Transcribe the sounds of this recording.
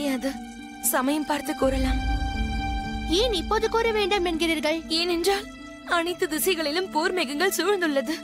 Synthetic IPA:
jːɐðɯ | sɐmɐjɐmpaːɾt̪ɯkːoːɾɐlaːm | eːnɪpːoːðɯkoːɾɐʋeːɳɖɐmɛnɡɪɾiːɾɣɐɭeːnɛndraːl | ɐɳɐɪt̪ːɯd̪ɪsɐɪɣɐɭɪlɯmpoːɾmeɣɯŋɡɐɭsʊʋɐɾnd̪ɯɭːɐðɯ

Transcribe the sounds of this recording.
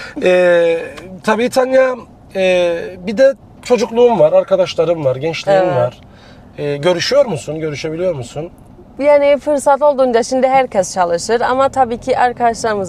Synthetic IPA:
ɛː | t̪ʰabiːt̪ʰanja | ɛbid̪ɛ | t͡ʃʰo̞d͡ʒuklˠuːumvaɾaɾkad̪aʃlˠaɾɯmvaɾɟɛnt͡ʃlʲiɾimvaɾ̥ | ɛːɟø̞ɾyʃyjo̞ɾmusunɟø̞ɾyʃe̞bilʲijo̞ɾmusun | jaːnifɯɾsat̪o̞lˠd̪uːnd͡ʒaʃimd̪iɦæɾcʰɛst͡ʃʰalˠɯʃɯɾa̰mat̪ʰabiːcʰiʔaɾkʰad̪aʃlˠaɾmɯz

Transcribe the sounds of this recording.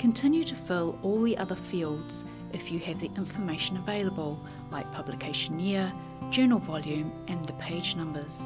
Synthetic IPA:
kʰɨ̃ntʰɪ̃njʉɾəfɪlˠɔlˠðiʔʌðə˞fiːlˠdz̥ | ʔɨfjɨːvðiʔɪ̃ɱfəmeɪʃə̃nəveɪlˠəbəlˠ | laɪk̚pʰʌblɨkʰeɪʃə̃nɪə̥ | d͡ʒɜːnl̩ˠvɑlˠjʉ̃mʔɨ̃nðɨpʰeɪd͡ʒnʌ̃mbə˞z̥

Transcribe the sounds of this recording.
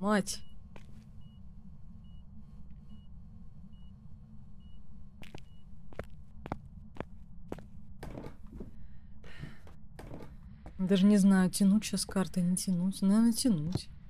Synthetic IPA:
matʲ | d̪aʐɨnʲɪznajʊtʲɪnut̚ʲɕaskart̪ɨnʲɪtʲɪnutʲnɐernətʲɪnutʲ

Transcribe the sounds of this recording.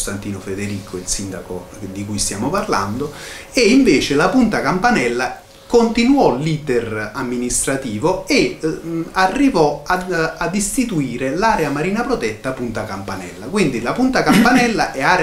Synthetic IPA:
st̪ant̪iːnofed̪eɾiːkʰoilsind̪ako̰ | d̪ikujst̪jaːmoparla̰nd̪o | eiɱveːt͡ʃɪlapunt̪akampanɛlːa | kont̪inwɔliːt̪eramːinist̪ɾat̪iːvoe | arːivɔaad̪ist̪it̪uiːɾelaːɾeamaɾiːnapɾot̪ɛt̪ːapunt̪akampanɛlːak̬wind̪ilapunt̪akampanɛlːaʔɛaːɾ

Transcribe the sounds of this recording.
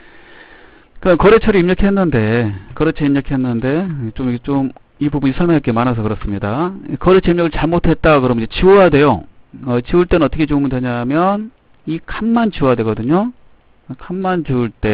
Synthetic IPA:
kkʌɾet͡ɕʰʌɾiimɲʌkʰe̞nːɯnde̞kʌɾet͡ɕʰeimɲʌkʰe̞nːɯnde̞t͡ɕomiket͡ɕom | ibubuɲisʰʌɭmjʌŋɦak͈emanɦasʰʌkɯɾʌs͈ɯmɲidakʌɾet͡ɕʰʌimɲjʌɡɯɭt͡ɕaɭmotʰe̞t̚t͈akɯɾʌmd͡ʑet͡ɕiojadwe̞joʌt͡ɕiuɭt͈e̞nɯnʌt͈ʌkʰet͡ɕoumundwe̞ɲamjʌn | ikʰanmant͡ɕiwojadwe̞ɡʌdɯɲo | kʰamːant͡ɕuuɭt͈e̞

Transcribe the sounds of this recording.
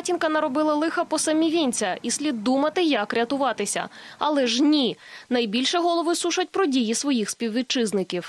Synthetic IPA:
tʲinkɐnɐɾɔbɪlˠɐlˠɪxɐpɔsɐmʲiʋʲinʲt͡sʲɐisʲlʲid̪ːumɐt̪ɪjɐkɾʲɐt̪ʊʋɑt̪ɪsʲɐ̰ɐ̰lˠɛʒnʲinɐjbʲilʲʃɛɦɔlˠɔʋɪsuʃɐt̚ʲpɾɔdʲijisʋɔjixspʲiwʋʲit͡ʃɪznɪkʲiw

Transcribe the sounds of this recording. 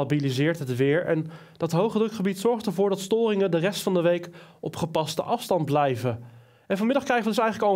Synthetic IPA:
abilizɪːɹtɦətʋɪːɹʔɛ̰n | d̥ɑtɦowχədrɵkχəbitsɔɹχtəɹvʊːɹdɑtstoːrɪŋəndərɛstfɑndəʋejkʔɔpχəpɑstə̰ʔɑfstɑnd̚blɛjvə | ɛnvɑnmɪdɑχkrɛjχəʋədɵsɛjχələkɑlˠ

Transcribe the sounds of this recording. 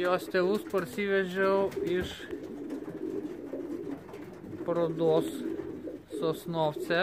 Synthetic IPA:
joːst̪ʲeːʋʊspɐɾʲsʲiʋʲɛʒʲɛʊɪʃ | pɾoːd̪oːsː | oːsnoːft͡s̪ʲɛ

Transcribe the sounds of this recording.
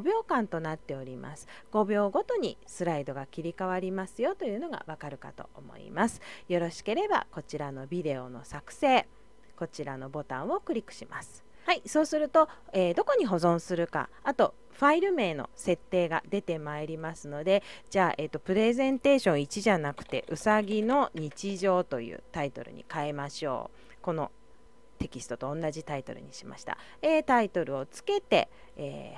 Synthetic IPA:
obʲo̞ːkãnt̪o̞nat̪ːe̞o̞ɾʲima̰sɨ̥ | ɡ̥o̞bʲo̞ːɡo̞t̪o̞ɲ̟ḭsɨɾaid̪o̞ɡakʲiɾʲikaβaɾʲimasɨjo̞t̪o̞jɯ̟ːno̞ɡa̰βakaɾɯ̟ka̰t̪o̞̰ʔomo̞̰ḭmasɨ̥jo̞ɾo̞ɕi̥ke̞ɾe̞ba̰ko̞t͡ɕiɾano̞bʲid̪e̞o̞̰no̞̰sakɯ̟̥se̞ː | ko̞t͡ɕiɾano̞bo̞t̪ã̰ɰ̃o̞kɯ̟ɾʲikːɯ̟̥ɕimasɨ̥ | haiso̞ːsɨɾɯ̟t̪o̞eːd̪o̞ko̞ɲ̟iɦo̞zõ̞ɰ̃sɨɾɯ̟ka̰at̪o̞ | ɸaiɾɯ̟me̞ːno̞̰se̞t̪ːe̞ːɡa̰d̪e̞t̪e̞maeɾʲimasɨno̞d̪e̞d͡ʑaːʔe̞ːt̪ːo̞pɯ̟ɾe̞zẽ̞nt̪e̞ːɕõ̞ɰ̃it͡ɕiʑanakɯ̟̥t̪e̞̰ʔɯ̟saɡʲino̞ɲ̟it͡ɕiʑo̞ːt̪o̞jɯ̟̰ːt̪ait̪o̞̰ɾɯ̟̰ɲ̟ḭkaemaɕo̞̰ː | ko̞no̞ | t̪e̞kʲisɨ̥t̪o̞t̪õ̞ːnːaʑit̪ait̪o̞̰ɾɯ̟̰ɲ̟iɕima̰ɕi̥t̪a̰ | eːt̪ait̪o̞ɾɯ̟o̞t͡sɨ̥ke̞t̪e̞̰ | eː

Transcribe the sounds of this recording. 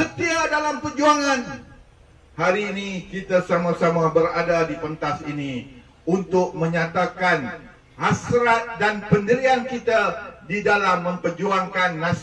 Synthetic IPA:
sət̪iadalampərd͡ʒuaŋan | haɾiːnikit̪asamãsamãbəɾadadipənt̪asini | unt̪ʊk̚mə̃ɲãt̪akan | hasɾat̪̚danpəndəɾiankit̪adidalamːə̃mpərd͡ʒuaŋkanːãs

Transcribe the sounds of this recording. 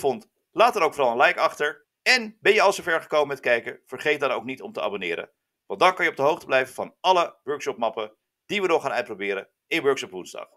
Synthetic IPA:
fɔnt | laːtəɾowkfɔrɾɑlˠənlɛjkɑχtəɹ | ɛnbɛnjəɑlˠsovɛɹχə̥kowməmɛtkɛjkəv̥əɹχejt̚danowknitɔ̰mtəa̰ːbonɪ̰ːɾə̰ | ʋɑndɑnkɑnjəɔb̚dəɦowχtəblɛjvəvɑnɑləʋøɹkʃɔp̚mɑpə | d̥iʋənɔχaːnœɥt̚prowbɪːɾə | ɪnʋøɹkʃɔpʋunzdɑ̰χ

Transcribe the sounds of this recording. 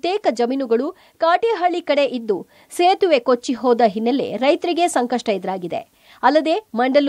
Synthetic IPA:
t̪eːkɐd͡ʒɐminuɡɐɭu | kaːʈiɦɐɭikɐɽe̞ʔid̪ːu | seːt̪uʋe̞kot͡ʃːiɦoːd̪ɐɦinːelːḛɾɐjt̪ɐɾiɡe̞sɐŋkɐʂʈɐid̪ɾaːɡid̪e̞̰ | ɐlːɐd̪e̞mɐɳɖɐl

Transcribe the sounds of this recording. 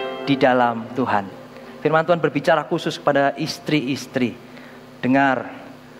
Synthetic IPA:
d̥idalamt̪uɦan | firmant̪uɦanbərbit͡ʃaɾakusʊskə̥padaʔist̪ɾiːst̪ɾi | d̥əŋar

